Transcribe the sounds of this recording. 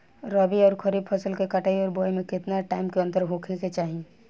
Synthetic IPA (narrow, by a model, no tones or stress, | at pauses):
ɾɔbiɔːɾkʰəɾiːb̚pʰəsəlkekəʈaːiɔːɾbɔːimẽkɪt̪naʈaːɪmkeə̃nt̪əɾɦokʰeket͡ʃaːɦi